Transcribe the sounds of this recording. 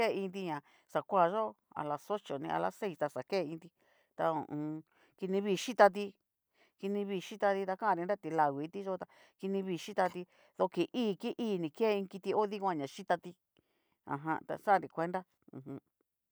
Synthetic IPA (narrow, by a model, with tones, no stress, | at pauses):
e˦˧ĩ˧nd̪i˧ɲã˨ | sa˨kʷa˦˧˨ʒo˦a̰˧la˧so˦t͡ʃo˨nĩ˧ʔa̰˧la˧˦se˦i˧st̪a˧sa˨keː˦˨˧ĩ˧nd̪i˧ | t̪a˧õ̰˨ʔũː˧ | ki˧nĩ˧βiː˧ʃi˦t̪a˧t̪̬i˧ | ki˧nĩ˧βiː˧ʃi˦t̪a˧t̪i˧t̪a˧kã˦˧ɾi˧nɾa˦t̪i˧la˧˨ɣʷi˨˧˦t̪i˦ʒo˦t̪a˧ | ki˧nĩ˧βi˧ʃi˦t̪a˧t̪i˧ | ðo˧ki˨ʔiː˦˨ki˦ʔiː˦˨nĩ˨˧ke˦˧ĩ˧ki˧t̪i˧o˦ði˦kʷã˧˨ɲã˨ʃi˦t̪a˧t̪i˧ | ã̰˨ɦã̰˧t̪a̰˧sa˦˧ɾi˨˧kʷe˦nd̪a˦ | ṵ̃˨ɦũ˧